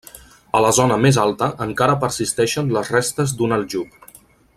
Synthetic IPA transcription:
ələzonəmezalˠt̪əʔəŋkaɾəpəɾsist̪ɛʃənləzrɛst̪əzd̪unəlˠʒup

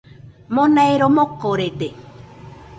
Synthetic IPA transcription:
mõnaeɾomokoɾet̪e

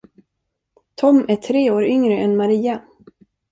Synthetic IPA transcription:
t̪ʰɔmæʈʰɾeːoːɾʏŋɾəʔɛnmaɾiːa

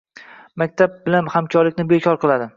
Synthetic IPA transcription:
mak̚ʲt̪ʰab̚bɪlanhamkʰʲɒɾlɪkʲnɪbekʰɒɾqʰɨlˠad̪ɪ

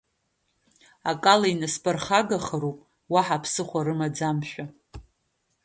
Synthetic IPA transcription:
akʼalainaspʰʼarχaɡaχəɾowpʼ | waħapʰsɨχʷaɾɨmad͡zamʃᶣa

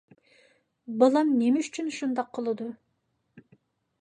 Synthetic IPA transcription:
bɑlˠɑmnemɪyt͡ʃʰynʃund̪ɑqʰːəlˠɨd̪u

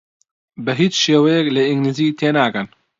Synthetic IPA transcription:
bəɦiːt͡ʃʃeːwɛjɛkləiŋɡliːziːt̪ʰeːnaːkən

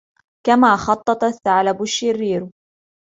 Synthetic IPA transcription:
kamaːxɑt̪ˤːɑt̪ˤɑθːaʕlabʊʃːɪrːiːɾ

